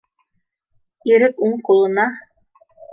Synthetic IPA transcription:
iɾɘkuɴqulˠɤ̆nɑ

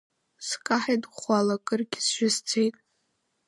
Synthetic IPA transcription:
skʼaħajdχʷalakʼɨrɡʲsʒʷᶣʊzt͡sʰejtʼ

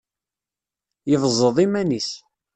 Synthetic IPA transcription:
jəvzˤəðˤimænis

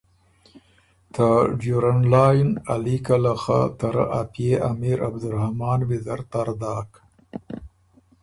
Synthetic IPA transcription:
t̪aɖjuɾanlɑjnalikalaxa̰t̪aɾa̰ʔapjeʔamiɾa̰bd̪ʊɾhamɑːnwɪzaɾt̪aɾd̪ɑːk

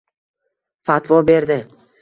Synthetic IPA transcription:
fat̪vɒbe̞ɾd̪ɪ

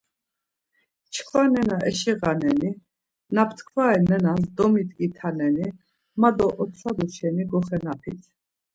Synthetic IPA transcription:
t͡ʃʰχʰvanɛnaʔɛʃiʁanɛni | napʰt̪ʰkʰvaɛnɛnasd̪ɔmit̪ʼkʼit̪ʰanɛni | mad̪ɔʔɔt̪ʰad̪ɔʃɛniɡɔχɛnapʰit̪ʰ

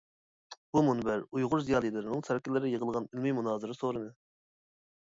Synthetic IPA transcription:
b̥umunɨbæɾujʁʊɾzijɑːlˠijlɨɾɪnɨŋsæɾkʲɪlːɪɾɪjəʁəlˠʁɑnilmijmunɑːzɨɾɨsoɾɨd̪ɨ

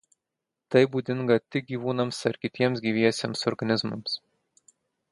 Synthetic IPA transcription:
t̪ɐɪbuːd̪ʲɪŋɡɐt̪ʲɪɡʲiːʋuːnɐmsɐɾkʲɪt̪ʲiɛms̬ɡʲiːʋʲiɛsʲeɛmsɔɾɡɐnʲɪzmɐms

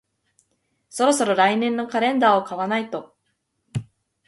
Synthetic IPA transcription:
so̞ɾo̞so̞ɾo̞ɾainẽ̞nːo̞kaɾẽ̞nd̪aːokaβanait̪o̞

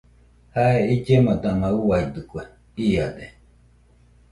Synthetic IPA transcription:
haeid͡ʒemãt̪anãuwait̪ukʷe | iad̪e

